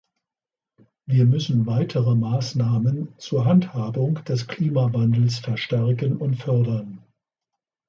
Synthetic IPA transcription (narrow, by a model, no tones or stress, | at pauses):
viːɐmʏsn̩vaɪtʰəʁəmaːsnaːmənt͡suːɐɦanthaːbʊŋd̥ɛskl̥iːmavandl̩sfɛɐʃtɛɐkənʊntfœɐdɐn